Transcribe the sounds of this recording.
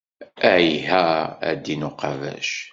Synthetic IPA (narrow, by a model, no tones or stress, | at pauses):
æʕiɦææ̰d̪ːinʊqɑvæ̰ʃ